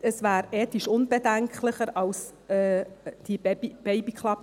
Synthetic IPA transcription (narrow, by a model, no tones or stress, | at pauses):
əsvæːɾeːt̪iʃʊnb̥edæŋkχlɪχəɾɑls | ɛːd̥ibɛbib̥ɛɪbikχlɑp